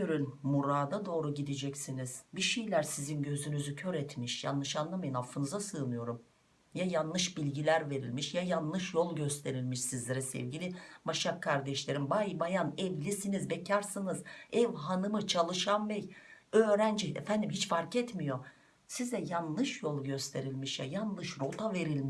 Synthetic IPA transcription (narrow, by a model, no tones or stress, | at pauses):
øɾynmuɾaːd̪ad̪o̞ːɾuɟid̪id͡ʒɛcsiniz̥biʃejlʲæɾsizinɟø̞zynyzycʰøɾɛt̪miʃja̰nːˠɯʃanlˠamajɯnhafːɯnɯzasɯːnˠɯjo̞ɾum | jajanːˠɯʃbilʲɟilʲæɾve̞ɾilʲmiʃjajanlˠɯʃjo̞lˠɟø̞st̪ʰe̞ɾilʲmiʃsizlʲeɾɛsɛ̰vɟilʲimaʃakʰːaɾd̪ɛʃlʲe̞ɾimbajbajanɛvlʲisinizbɛcʰaɾsɯnɯzɛvɦanɯmɯt͡ʃʰalˠɯʃanbɛjøːɾænd͡ʒiɛ̰fænd̪imɦit͡ʃfaɾkɛt̪mijo̞ | sizɛjanlˠɯʃjolˠɟø̞st̪ʰe̞ɾilʲmiʃja̰janlˠɯʃɾot̪ʰave̞ɾilʲmi